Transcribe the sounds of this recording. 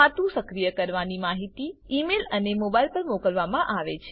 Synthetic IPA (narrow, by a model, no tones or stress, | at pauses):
at̪ũsəkɾijəkəɾʋanimaɦit̪iimelənemobailpəɾmokəlʋamãʔaʋet͡ʃʰe